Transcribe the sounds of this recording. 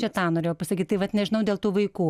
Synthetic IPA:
t͡ʃʲɛt̪ɑːnoːɾʲeːjopɐsɐkʲit̚ʲt̪ɐɪʋɐt̪nʲɛʒʲɪnɐʊdʲeːlˠt̪uːʋɐɪkuː

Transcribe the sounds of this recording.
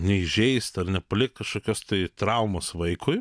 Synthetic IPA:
nʲɛɪʒʲɛɪst̪ɐrnʲɛpɐlʲɪkt̪kɐʃkoːkʲoːst̪ɐɪt̪ɾɐʊmosʋɐɪkʰʊɪ

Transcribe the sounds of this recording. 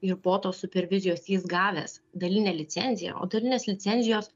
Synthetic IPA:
ɪɾpoːt̪oːsʊpʲɛɾʲʋʲɪzʲɪjoːsjiːsɡɑːʋʲɛ̰sd̪ɐlʲɪnʲɛːlʲɪt̪sʲɛnʲzʲɪjɛ̰o̰ːd̪ɐlʲɪnʲeːslʲɪt̪sʲɛnʲzʲɪjoːs

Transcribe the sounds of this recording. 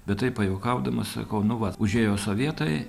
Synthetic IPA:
bʲɛt̪t̪ɐɪppɐjoʊkɐʊd̪ɐmɐssɐ̰kɐʊnʊʋɐʊʒʲeːjoːsoːʋʲiɛt̪ɐɪ

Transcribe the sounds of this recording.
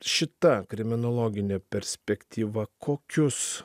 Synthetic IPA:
ʃʲɪt̪ɐkɾʲɪmʲɪnolˠoːɡʲɪnʲepʲɛɾʲsʲpʲɛkt̪ʲiːʋɐkʰoːkʲʊs

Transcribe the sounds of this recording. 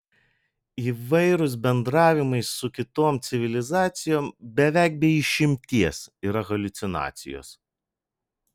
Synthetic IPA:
iːʋɐɪɾʊs̬bʲɛnd̪ɾɑːʋʲɪmɐɪssʊkʲɪt̪oːmt̪sʲɪʋʲɪlʲɪzɑːt̪sʲɪjoːmbʲɛʋʲæˑɪk̚bʲɛɪɪʃʲɪmʲt̪ʲiɛsiːɾɐɣɐlʲʊt̪sʲɪnɑ̰ːt̪sʲɪ̰jo̰ːs

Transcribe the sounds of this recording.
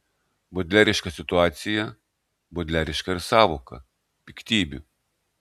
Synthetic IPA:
bɔd̪ʲlʲæːɾʲɪʃkɐsʲɪt̪ʊɑːt̪sʲɪjɛ | bɔd̪ʲlʲæɾʲɪʃkɐɪɾsɑːʋoːkɐ̰ | pʲɪkt̪ʲiːbʲʊ

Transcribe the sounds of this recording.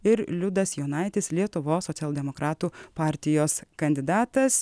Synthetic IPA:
ɪɾlʲʊd̪ɐsjoːnɐɪt̪ʲɪslʲiɛt̪ʊʋoːsːoːt̪ʲɛlˠd̪ʲɛmokɾɑːt̪uːpɑːɾʲt̪ʲɪjoːskɐnʲd̪ʲɪd̪ɑːt̪ɐs

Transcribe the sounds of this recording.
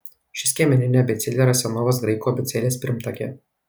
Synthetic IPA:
ʃʲɪsʲkʲiɛmʲɛnʲɪnʲɛbʲɛt̪sʲɪlʲeːɾɐsʲɛnɔːʋoːs̬ɡɾɐɪkuɔbʲɛt̪sʲɛlʲeːsʲpʲɪɾʲmt̪ɐkʲe

